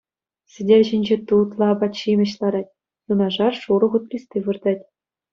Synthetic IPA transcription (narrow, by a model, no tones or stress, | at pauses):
sʲɘ̆dʲerʲʑinʲd͡ʑet̪ut̪lˠɑbɑɕimʲɘ̆ɕlˠɑɾɑtʲ | t̪unɑʐɑrʂuɾɤ̆χut̪̚plʲisʲt̪ʲeʋɯrd̪ɑtʲ